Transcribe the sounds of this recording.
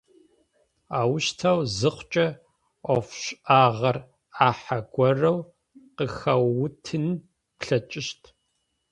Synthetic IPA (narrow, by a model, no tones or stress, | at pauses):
aːwʃtʰawzɨχʷt͡ʃʼɐ | ɔfɕʔaːʁɐr | aːħaɡʷɔrɐw | qəxɐwːʊtʰɨn | pɬɐt͡ʃʼɪʃtʰ